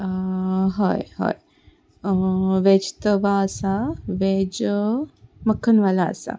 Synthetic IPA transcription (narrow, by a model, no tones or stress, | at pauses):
ɦoːjho̰ːj | ʋeːd͡ʒt̪əʋasaʋed͡ʒ | məkʰːənʋala̰ːsa̰